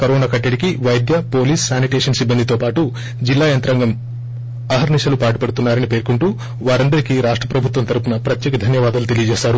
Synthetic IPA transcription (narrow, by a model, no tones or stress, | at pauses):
kɐɾɔːnaːkɐʈːeɽikiʋɐjd̪jɐpo̞ːliːssaːniʈeːʂɐnsibːɐnd̪it̪o̞ːpaːʈu | d͡ʒilːaːjɐnt̪ɾɐŋɡɐm | ɐɦɐɾniʃɐlupaːʈupɐɽut̪unːaːɾɐnipeːɾkuɳʈuː | ʋaːɾɐnd̪ɐɾikiɾaːʂʈɾɐpɾɐbʱut̪ʋɐnt̪ɐɾpunɐpɾɐt̪jɛːkɐd̪ʱɐnjɐʋaːd̪ɐlut̪e̞lijɐd͡ʒɛːʃaːɾu